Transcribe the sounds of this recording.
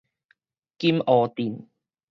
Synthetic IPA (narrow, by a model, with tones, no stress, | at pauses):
kiː˧mʔɔː˨˧t̪iː˨˩n